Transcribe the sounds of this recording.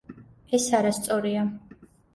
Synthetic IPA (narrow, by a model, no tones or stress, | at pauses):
ɛsaɾast̪sʼɔɾia